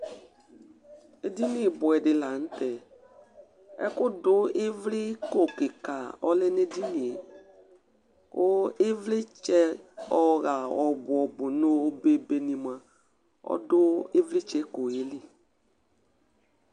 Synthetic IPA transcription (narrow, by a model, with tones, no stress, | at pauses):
e˦di˦ni˨bʊ˨ɛ˨dɪ˨la˨n̩˦tɛ˨ | ɛ̰˦kʊ˦dʊ˦ɪ˦vlɪ˦ko˨kɪ˨ka˨ɔ˦lɪ˦nɪ˦di˦ni˨ | kʊ˦ɪ˦vlɪ˦t͡ʃɛ˦ɔ˦ɣa˨ɔ˨bʊ˨ɔ˨bʊ˨no˦be˦be˨nĩ˨mã˨ | ɔ̰˦dʊ˦ɪ˦vlɪ˦t͡ʃɛ˦ko˨e˨˦lɪ˦